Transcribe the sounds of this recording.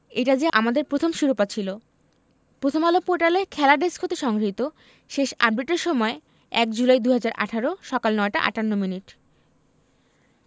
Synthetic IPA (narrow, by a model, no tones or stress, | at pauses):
eʈad͡ʑaʔamad̪eɾpɾot̪ʰomʃuɾopat͡ɕʰilo | pɾot̪ʰomalopoɾʈalekʰɛlaɖeskʰot̪eʃɔŋɡɾɦit̪o | ʃeʃa̰bɖiʈeɾʃɔmɔe | ɛk̚d͡ʑulajd̪uɦad͡ʑaɾʔa̰ʈʰaɾoʃɔkalnɔeʈa̰ʔa̰ʈanːominiʈ